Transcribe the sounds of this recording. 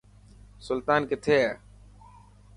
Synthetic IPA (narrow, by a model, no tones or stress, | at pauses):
sʊlt̪aːnket̪ʰeːa